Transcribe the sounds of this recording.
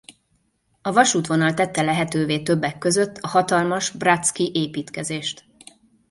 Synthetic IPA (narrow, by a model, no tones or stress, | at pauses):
ɒvɒʃuːt̪ʋo̞nɒlt̪ɛt̪ːɛlɛɦɛt̪øːveːt̪øbːɛkːø̞zø̞t̪ːɒhɒt̪ɒlmɒʒbrat̪skiʔeːpiːt̪kɛzeːʃt̪